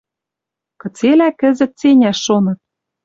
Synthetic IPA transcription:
kɤ̆t͡selækɘ̆zɘ̆t̪̚t͡senʲæʃːonɤ̆t̪̚

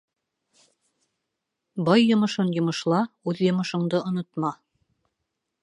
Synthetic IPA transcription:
bɑjːŏmɤ̆ʃɤnjŏmŏʃlˠɑʉðjŏmɤ̆ʃŏɴd̪ɤʔŏnot̪mɑ

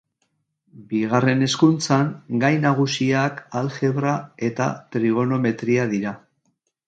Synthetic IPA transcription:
biɣare̞ne̞skunt͡saŋɡajnaɣ̞usiakalxe̞βɾae̞t̪a̰t̪ɾiɣo̞no̞me̞t̪ɾiað̞iɾa

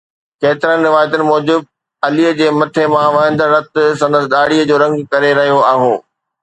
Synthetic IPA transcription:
keːt̪ɪɾənɪ̆ɾɪʋaːjət̪ʊnɪ̆mɔːd͡ʑɪb̚ | ɐliːəd͡ʑeːmɐt̪ʰemãʋɐɦə̃nd̪əɾɐt̪sɐ̃nd̪əsɪɗaːɽiːəd͡ʑoːɾɐ̃ŋɡkɐɾeɾɐɦijoaːɦoː

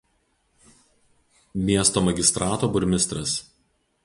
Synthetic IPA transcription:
mʲiɛst̪oːmɐɡʲɪst̪ɾʔɑːt̪oːbʊɾʲmʲɪst̪ɾɐs

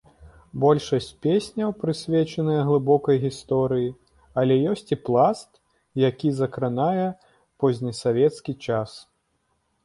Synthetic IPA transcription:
bɔlʲʂɐsʲt͡sʲpʲesʲnʲɐwpɾɨsʲvʲet͡ʃɐnɨjɐɣlˠɨbɔkɐjɣʲist̪ɔɾɨji | ɐlʲɛjɔsʲt͡sʲiplˠast̪ | jakʲizɐkɾɨnajɛ | pɔzʲnʲisavʲɛt̪skʲit͡ʂas

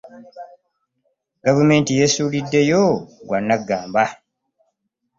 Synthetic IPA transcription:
ɡavume̞ːntije̞suːlidːe̞joɡwanːaɡːaːmba

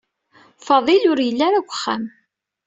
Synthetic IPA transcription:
fɑðˤilʊɾjəlːaɾakʷːə̥χːæ̰m

